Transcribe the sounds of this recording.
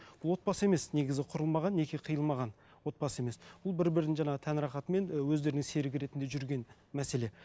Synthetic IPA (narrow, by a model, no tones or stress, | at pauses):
b̥ʊlˠwo̞t̪̚pɑsəe̞me̞sneɡʲɪzɪqʰʊɾəlˠmɑʁɑnːe̞kʲiqʰəjəlˠmɑʁɑn | wo̞t̪̚pɑsəe̞me̞sb̥ʊlˠbɪɾbɪɾd̪ɪŋʒɑɴɑʁət̪ʰænɾɑχɑt̪əme̞nwɵzd̪e̞ɾɪnɪŋse̞ɾɪɡʲɪɾe̞t̪ɪnd̪eʒʏɾɡʲe̞n | mæse̞le